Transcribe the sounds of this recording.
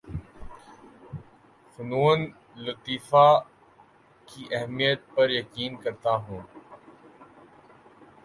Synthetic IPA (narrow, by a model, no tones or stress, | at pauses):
fʊnuːn | lʊt̪iːfa | kiːʔɛɦmijət̪̚pɐɾjɐkiːnkɐɾt̪aɦũː